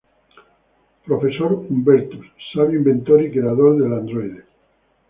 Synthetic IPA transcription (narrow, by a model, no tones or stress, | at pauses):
pɾofesoɾumbeɾt̪usaβimbent̪oɾikeaðold̪eland̪ɾoiðe